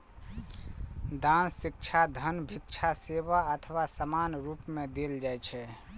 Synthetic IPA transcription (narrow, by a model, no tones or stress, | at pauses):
d̪ansikt͡ʃʰad̪ʱənbʱikt͡ʃʰaseβaət̪ʰəʋasəmanɾupmed̪eld͡ʒajt͡ʃʰɛ